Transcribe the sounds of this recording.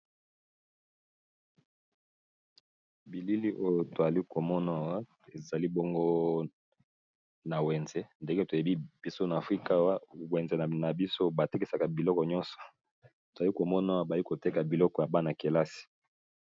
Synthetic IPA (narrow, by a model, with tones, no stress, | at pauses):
bi˨li˦li˦ʔo˦jo˨to˨za˨li˦ko˨mɔ˦na˨wa˦ | e˨za˨li˦bɔ˦ŋɡo˦ | na˨we˨nze˨˦nde˦ŋɡe˦to˨e˨bi˦b̥i˦so˦na˨fʁi˦ka˦wa˦we˨nze˨na˨bi˦so˦ba˨te˦ki˦˨sa˨ka˨bi˨lɔ˦kɔ˨ɲɔ˦nsɔ̥˨ | to˨za˨li˦ko˨mɔ˦na˨wa˦ba˨˦i˦ko˨te˦ka˨bi˨lɔ˦kɔ˨ja˨ba˦na˨ke˨la˦si̥˨